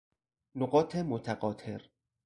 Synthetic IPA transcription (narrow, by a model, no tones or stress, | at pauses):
noɢɒːt̪ʰemot̪ʰæɢɒːt̪ʰeɾ